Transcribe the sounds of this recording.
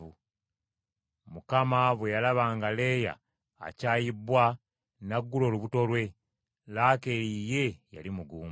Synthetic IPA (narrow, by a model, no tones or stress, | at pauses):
u | mukamaβwe̞jalaβaːŋɡale̞ːja̰ː | caːjibːwa | naɡːulo̞ːluβuto̞lwe̞ | laːke̞ɾije̞ja̰limuɡuːm